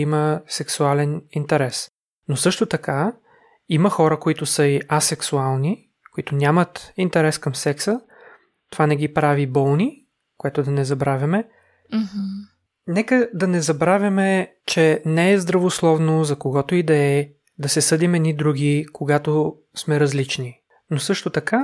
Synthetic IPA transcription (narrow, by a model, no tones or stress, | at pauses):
iməsɛksualɛnint̪ɛɾɛs | nosɤʃt̪ot̪ɐka | iməxɔɾəkoit̪ʊsəiʔasɛksualˠni | koit̪ʊnʲamət̪int̪ɛɾɛskəmsɛksə | t̪ovanɛɡipɾavibɔlˠni | koɛt̪ʊd̪ɐnɛzɐbɾavʲɐmɛ | nɛkəd̪ɐnɛzɐbɾavʲjɐmɛ | t͡ʃɛnɛɛzd̪ɾɐvoslˠɔvnozɐkoɡɔt̪oid̪ɛɛ | d̪ɐsɛsɤd̪imɛid̪ɾuɡʲikoɡat̪o | smɛɾɐzlit͡ʃni | nosɤʃt̪ot̪ɐka